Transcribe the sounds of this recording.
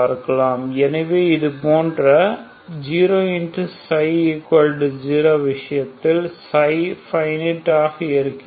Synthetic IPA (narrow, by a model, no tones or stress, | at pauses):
aːɾkːɐlaːmɛnɐʋeːɪðɯpoːndrɐ | d͡ʒiːɾoːɪndsɐɪɪkɐlɖd͡ʒiːɾoːʋɪʂɐjɐt̪ːɪlsɐɪfɐɪnɪʈːaːɣɐɪɾɯkː